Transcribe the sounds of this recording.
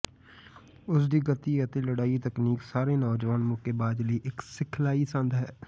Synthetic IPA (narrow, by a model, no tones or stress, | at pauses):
ʊsd̪iːɡət̪iːət̪eːləɽaːit̪əkniːksaːɾeːnɔːd͡ʒʋaːnmʊkeːbaːd̪ləiːʔɪksɪkʰlaːiːsə̃nd̪ɦɛː